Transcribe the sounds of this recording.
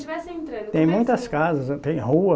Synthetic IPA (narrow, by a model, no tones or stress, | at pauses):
t͡ʃivɛst̪ɾɐt̪ẽj̃mũj̃t̪ɐskazɐst̪ẽj̃huɐ